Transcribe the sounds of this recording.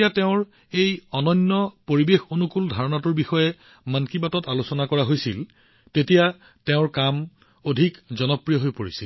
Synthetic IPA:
jateʊ̃ɹ | ejɔnɔnːɔpoɹibexonukuldʱaɹɔnatʊɹbixɔjɛ | mankibatɔtalusɔnakɔɹaɦojsil | tetija | teʊ̃ɹkam | odʱikzɔnɔpɹijɔɦojpoɹisil

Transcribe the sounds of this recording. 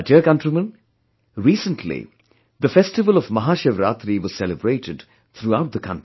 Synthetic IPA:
tɛkʌ̃nʈɾimə̃n | ɾiːsə̃nʈʰlḭ | d̪əfɛsʈɪʋəlɔvmɐɦaːʃeʋɾa̰ːt̪ɾiʋɔz̥sɛləbɾeːʈɪɖ | t̪ʰɾuaʊʈ̚d̪əkʰʌ̃nti

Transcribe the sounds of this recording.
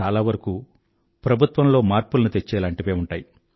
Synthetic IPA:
aːlaːʋɐɾɐku | pɾɐbʱut̪ʋɐmlo̞ːmaːɾpulɐnut̪et͡ʃːɛːlaːɳʈiʋeːuɳʈaːji

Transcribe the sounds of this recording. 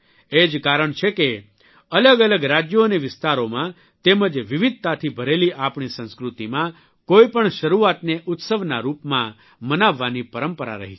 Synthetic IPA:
ed͡ʒkaɾəɳt͡ʃʰeke | ələɡələɡɾad͡ʒjoneʋɪst̪aɾomã | t̪eməd͡ʒʋɪʋɪd̪̚t̪at̪ʰibʱəɾeliʔapɳ̃isə̃nskɾut̪imã | koipəɳʃəɾuat̪neʔʊt̪səʋnaɾupmã | mənaʋːanipəɾəmpəɾa̰ɾə̰ɦi

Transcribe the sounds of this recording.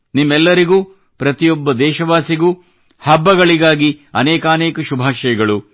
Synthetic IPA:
nimːɛlːɐɾiɡuː | pɾɐt̪ijɔbːɐd̪ɛːʃɐʋaːsiɡuː | hɐbːɐɡɐɭiɡaːɡiɐ̰nɛːkɐːnɛːkɐʃubʱaːʃɐjɐɡɐɭu

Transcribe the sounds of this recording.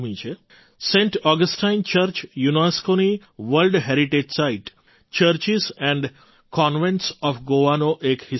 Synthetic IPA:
mĩːt͡ʃʰe | sẽɳʈɔːɡəsʈãɪnt͡ʃəɾt͡ʃjunaskoni | ʋəlɖɦɛɾiʈed͡ʒsaɪʈ | t͡ʃəɾt͡ʃizɛ̃ɳɖ | kɔːnʋẽɳʈsɔːfɡoʋanoʔekhi

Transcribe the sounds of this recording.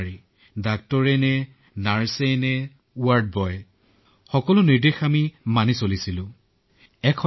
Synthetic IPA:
i | dak̚tɔɹɛnɛ | naɹsɛnɛ | uaɹd̚bɔj | xɔkɔlʊniɹdexamimanisolisilʊ̃ | ɛkʰɔ

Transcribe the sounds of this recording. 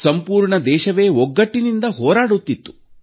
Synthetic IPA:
sɐmpuːɾɳɐd̪ɛːʃɐʋe̞ːɔɡːɐʈːinind̪ɐɦɔːɾaːɽut̪ːit̪ːu̥

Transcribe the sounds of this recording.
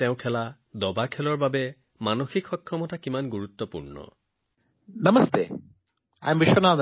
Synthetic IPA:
tɛʊ̃kʰɛla | dɔbakʰɛlɔɹbabɛ | manoxikxɔkʰːɹɔmɔtakimanɡuɹut̪ːɔpṵɹnɔ̰ | nɐməst̪ḛ | a̰jmbiʃɔnan

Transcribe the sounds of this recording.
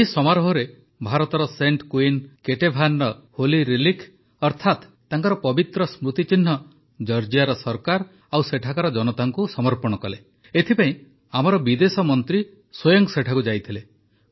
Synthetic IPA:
eisɔmaɾɔɦɔɾe | bʱaɾɔt̪ɔɾɔseɳʈkuinkeʈebʱanɖɔholiɾilikʰ | ɔɾt̪ʰat̪ːaŋkɔɾɔpɔbit̪ɾɔsmɾut̪it͡ʃin̤ɦɔ | d͡ʒɔɾd͡ʒijaɾɔsɔɾkaɾ | awseʈʰakaɾɔd͡ʒɔnɔt̪aŋkusɔmɔɾpɔɽ̃ɔkɔle | et̪ʰipaĩ | amɔɾɔbid̪esɔmɔnt̪ɾi | swojɔŋkseʈʰakud͡ʒajt̪ʰile

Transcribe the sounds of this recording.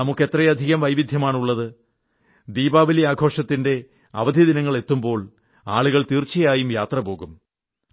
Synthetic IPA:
nɐmukːe̞t̪ːrɐjɐd̪ʱiɣɐmʋɐjʋid̪ʱjɐmaːɳuɭːɐðɨ | d̪iːbaːʋɐliaːɡʱo̞ːʂɐt̪ːinde̞ | ɐ̰ʋɐd̪ʱjiɐd̪inɐŋːɐɭe̞t̪ːumbo̞ːɭ | a̰ːɭuɣɐɭt̪iːrt͡ɕːɐjaːjumjaːt̪rɐpo̞ːɣum

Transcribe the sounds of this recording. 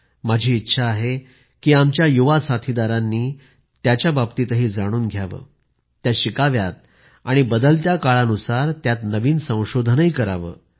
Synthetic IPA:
mad͡ʑʱiːtːɕʰaːɦe | kiːamt͡ɕjajuʋasat̪ʰid̪aɾanːiː | t̪jat͡ɕjabab̚t̪iːt̪əɦiːd͡zaɽ̃uːnɡʱjaʋə̰ː | t̪jaɕikaʋjat̪̚ | aɽ̃ibəd̪əlt̪jakaɭanusaɾt̪jat̪nəʋiːnsə̃w̃ɕod̪ʱənəikəɾa̰ʋə̰ː

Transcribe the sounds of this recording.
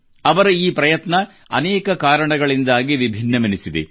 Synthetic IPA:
ɐʋɐɾuiːpɾɐjɐt̪nɐ | ɐ̰nɛːkɐkaːɾɐɳɐɡɐɭind̪aːɡiʋibʱinːɐmɐnisid̪ḛ

